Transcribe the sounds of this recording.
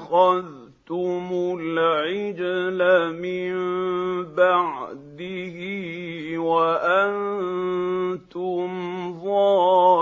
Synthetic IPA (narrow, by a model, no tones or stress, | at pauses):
xað | t̪ʊmʊlʕɪd͡ʒlamɪmbaʕd̪ɪhɪ | waʔan | t̪ʊmðˤɑː